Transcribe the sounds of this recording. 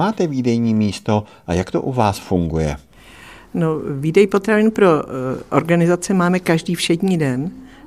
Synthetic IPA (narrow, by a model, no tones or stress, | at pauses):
aːt̪ɛviːdɛjɲiːmiːst̪o̞ʔajakt̪o̰ʔuvaːsfuŋɡujɛ̰ | noviːdɛjpot̪ɾavɪnpɾo̞ʔo̰ɾɡanɪzat͡sɛmaːmɛkaʒdiːfʃɛdɲiːdɛn